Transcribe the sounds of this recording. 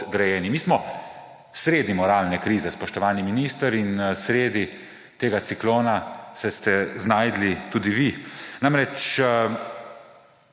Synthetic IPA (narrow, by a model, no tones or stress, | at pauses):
d̪ɾɛjɛːnimiːsmɔ | sɾeːd̪imɔɾaːlnɛkɾiːzɛspɔʃt̪ɔʋaːniminist̪əɾinsɾeːd̪i | t̪eːɡat̪sikloːnasɛst̪ɛznaːjd̪lit̪uːd̪iʋinamɾɛt͡ʃ